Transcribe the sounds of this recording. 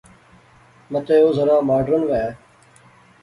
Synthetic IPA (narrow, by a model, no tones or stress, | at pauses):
mət̪eːoːzəɾãːmaːɖəɾənʋɛː